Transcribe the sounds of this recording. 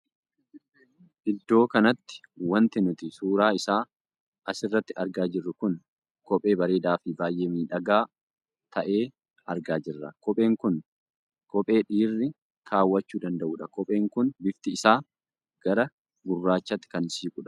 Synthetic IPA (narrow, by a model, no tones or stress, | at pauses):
ʔɪd̪ːo̞ːkɐnɐt̪ːɪ̥ | wɐnt̪ɪnʊt̪ɪsuːɾaːɪsaː | ʔɐsɪrːɐt̪ːɪɐɾɡaːd͡ʒɪrːʊkʊn | kɔpʼe̞ːbɐɾe̞ːd̪aːfibaːjʔeːmiːᶑɐɡaː | t̪ʰɐʔe̞ː | ɐɾɡaːd͡ʒɪrːɐ̰kɔpʼe̞ːŋkʊn | kɔpʼe̞ːᶑiːrːɪ | kʰaːwːɐt͡ʃːuːd̪ɐnd̪ɐʔuːᶑɐkɔpʼe̞ːŋkʊnbɪft̪ɪːsaː | ɡ̥ɐɾɐ | bʊrːaːt͡ʃːɐt̪ːɪ̥kɐnsiːkʼʊᶑɐ̥